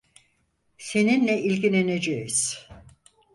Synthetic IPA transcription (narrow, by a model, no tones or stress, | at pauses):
se̞ninlʲɛʔilʲɟinened͡ʒejiz̥